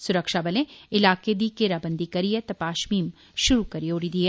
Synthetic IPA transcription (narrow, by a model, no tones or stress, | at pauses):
sʊɾəkʃabɐlẽɪlaːked̪ikeɾabə̃nd̪ʱikɐɾijet̪ɐpaːʃmiːm | ʃʊɾukɐɾioːɽid̪ie